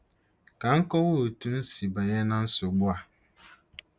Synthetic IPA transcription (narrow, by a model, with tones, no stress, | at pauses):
kã˨ŋ̩˦kɔ˦wo˦˨tʰũ˦n̩˦si˨ba˨jɛ˦nã˦n̩˦sʊ˨ɡ͡bʊ˦a˨